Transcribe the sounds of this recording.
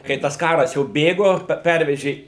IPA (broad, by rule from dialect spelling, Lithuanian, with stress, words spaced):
kɐɪ ˈtɐs ˈkɑːrɐs jɛʊ ˈbʲeːɡoː ˈpʲɛrʲʋʲɛʒʲeː